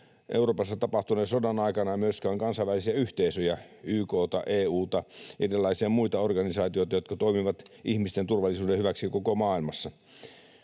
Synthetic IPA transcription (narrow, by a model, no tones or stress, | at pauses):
ʔeuroːpɑsːɑt̪ɑpɑht̪unesodɑnɑikɑnɑmyøskæːŋkɑnsɑʋælisiæyht̪eisøjæ | yːkoːt̪ɑʔeːuːt̪ɑidelːɑisiɑmuit̪ɑorɡɑnisɑːt̪ioit̪ɑjot̪kɑt̪oimiʋɑt̪ʔihmist̪ent̪urʋɑlːˑisuːdehyʋæksikokomɑːilmɑsːɑ